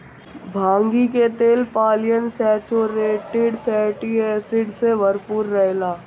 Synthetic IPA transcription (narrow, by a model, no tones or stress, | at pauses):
bʱãːŋɡiket̪eːlpaːlɪjənsɛːt͡ʃoɾeːʈɪɖpʰɛːʈieːsɪɖseʋəɾpuːɾːɛɦlaː